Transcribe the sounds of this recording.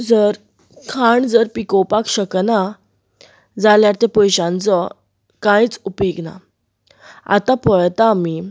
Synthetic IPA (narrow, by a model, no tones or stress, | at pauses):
d͡zəɾ | kʰaɳd͡zəɾpikɔwpakɕəkna | d͡zaljaɾt̪apəjɕãnt͡sɔ | kãjĩt͡supeɡna̰ | a̰t̪apəɭt̪aːmi